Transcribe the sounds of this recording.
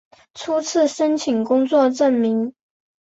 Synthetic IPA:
ʈ͡ʂʰu˥t͡sʰɹ̩˥˩ʂə˥nt͡ɕʰi˨˩ŋkʊ˥ŋt͡swɔ˥˧ʈ͡ʂə˥˩nmi˧˥ŋ

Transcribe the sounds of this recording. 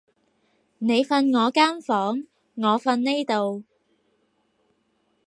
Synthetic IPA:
ne˨˧jfɐ˧nŋɔː˨˧kaː˥nfɔː˨˥ŋː | ɔː˨˧fɐ˧nne˥jt̪o˨w

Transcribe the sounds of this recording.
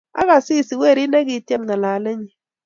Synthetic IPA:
a˦ka˨si˦˨si˨we˦˨ɾi˦nɛ˦ki˦tjɛ˦mna˨la˨le˦ɲi˨

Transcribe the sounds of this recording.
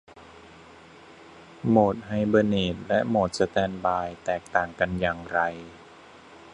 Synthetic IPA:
moː˨˩t̪̚ha˨˩jbɤ˧neː˨˩t̪̚lɛ˦˥moː˨˩t̪̚sa˧t̪ɛː˧nbaː˧jt̪ɛː˨˩k̚t̪aː˨˩ŋka˧njaː˨˩ŋɾa˧j

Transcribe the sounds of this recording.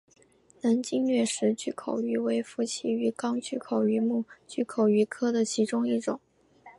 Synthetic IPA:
na˧˥nt͡ɕi˥ŋlɥɛ˥˩ʂɻ̩˧˥t͡ɕy˥˩kʰo˨˩ʊy˧˥we˧˥ɪfu˧˥t͡ɕʰi˧˥y˧˥kɑ˥ŋt͡ɕy˥˩kʰo˨˩ʊy˧˥mu˥˩t͡ɕy˥˩kʰo˨˩ʊy˧˥kʰɤ˥d̪ə˨t͡ɕʰi˧˥ʈ͡ʂʊ˥ŋi˥˩ʈ͡ʂʊ˨˩˦ŋ

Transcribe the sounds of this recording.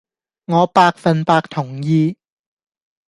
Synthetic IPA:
ŋɔː˨˧paː˧k̚fɐ˨˧npaː˧k̚t̪ʰʊ˨˩ŋjiː˧

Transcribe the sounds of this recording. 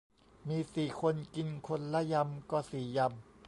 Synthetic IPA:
miː˧siː˨˩kʰo˧nki˧nkʰo˧nlɛ˦˥ja˧mkɔː˧˩siː˨˩ja˧m

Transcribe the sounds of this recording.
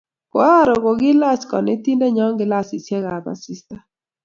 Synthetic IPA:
kɔ˦a˦˨ɾo˨ɡo˨ɡɪ˦la˦skɔ̰˨nɪ˦t̪i˦ndɛ˦ɲɔ˦ŋɡɪ˦la˦˨sɪ˨sjɛ˦ɡa˨ba̰˨sɪ˦sta˦

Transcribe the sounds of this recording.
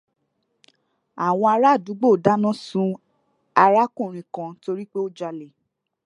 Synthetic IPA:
a˨w̃ɔ̃˧a˧ɾa˦˨du˨˦ɡ͡bo˦˨da˦nɔ̃˦sũ˧ | a˧ɾa˦kũ˦˨ɾ̃ĩ˨kã˧to˧ɾi˦k͡pe˦o˦d͡ʒa˧le˨

